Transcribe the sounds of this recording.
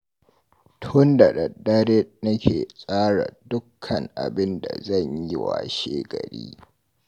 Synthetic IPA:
tʰʊ˦nda˨ɗɐ˨dːɐ˦ɾɛ˦nɐ˦kʲʰeː˨sʼaː˦ɽa˨dʊ˦kʰːɐ˨ŋʔa˨bɪ˦nda˨zɐ˦˨ɲji˦wa̰˨ʃeː˦ɡɐ˨ɽḭː˦

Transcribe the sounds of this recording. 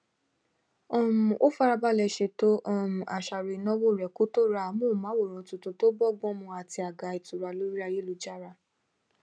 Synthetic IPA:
ɔ˦˨mũ˨ʔo˦fa˦ɾa˧ba˦lɛ˧ʃe˧to˦ʔɔ˦˨mũ˨a˨ʃa˨ɾe˨˦nɔ̃˦wo˦˨ɾɛ˨ku˦to˦ɾa˧˨˦mõ˦˨mã˨˦wo˦˨ɾ̃ɔ̃˨˦tu˧to˧to˦bɔ˦˨ɡ͡bɔ̃˦mũ˧a˨ti˧a˨ɡa˨˧i˨tu˨ɾa˧lo˨˦ɾi˦a˧je˦lu˨˧d͡ʒa˦ɾa˧˨

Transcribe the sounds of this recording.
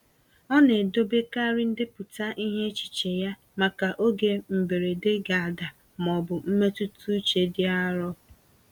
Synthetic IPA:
ɔ˦ne˨do˦be˦ka˦ɾɪ˦n̩˦dɪ˦pʊ˨ta˦ʔi˦ɦe˦t͡ʃi̥˨t͡ʃe˨ja˦ | ma˨ka˨ʔo˦ɡe˨m̩˨be˨ɾe˨de˦ɡa˨a˨da˨ | mɔ˨bʊ˨m̩˦me˦tu˦tu˦t͡ʃe˨dɪ˦a˦ɾɔ˦

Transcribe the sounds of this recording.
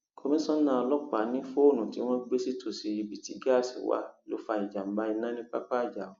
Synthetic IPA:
kʰo˧mĩ˦sɔ̃˦nã˦ɔ˧lɔ˦k͡pa˨˦nĩ˦fo˦˨nũ˨ti˨˦w̃ɔ̃˦ɡ͡be˦si˦tʰo˨si˨i˧bi˨ti˦ɡa˦˨sḭ˨˦wa̰˦˨lo̰˨˦fa˧ĩ˨d͡ʒa˨m̩˦ba˦i˧nã˦nĩ˦k͡pa˦k͡pa˦˨d͡ʒa˨u˨

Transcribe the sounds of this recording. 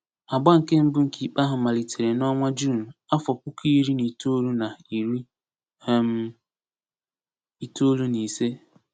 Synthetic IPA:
a˨ɡ͡ba˦ŋ̩˨ke˦m̩˦bʊ˦ŋ̩˨kʰi˨k͡pa˦ɦʊ˨ma˨li˨tʰe˨ɾe˨nɔ˦ŋʷa˦d͡ʒu˦˨n̩˨a˦fɔ˨kʷʊ˦ki˦ɾi˦ni˨to˦lu˦na˨i˨ɾi˦ | m˦ | i˨to˦lu˦ni˨se˦

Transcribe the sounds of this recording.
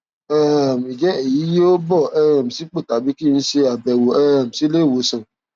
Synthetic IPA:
ɛ˦˨m˨i˨d͡ʒɛ˨˦e˦˨ji˨˦jo˦bɔ˦˨ɛ˧ɾa˨m̩˨si˨˦k͡pe˦˨ta˨˦bi˦ki˦˧n̩˦ʃe˧a˨bɛ˨wo˨ɛ˧ɾa˨m̩˨si˨˦le˦˨wo˨˦sã˨

